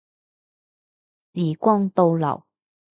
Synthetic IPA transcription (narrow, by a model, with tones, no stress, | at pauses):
si˨˩kwɔ˥˧ŋt̪o˧wla̰˨˩˨w